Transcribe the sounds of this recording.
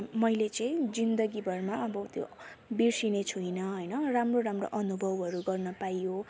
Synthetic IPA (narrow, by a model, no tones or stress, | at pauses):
mʌjlet͡sʌĩd͡zind̪ʌɡibʱʌrmaʌbʌt̪jo̰birsinet͡sʰuinʌɦʌjnʌramroɾamro̰ʔʌnubʱʌwɦʌɾuɡʌrnʌpajjo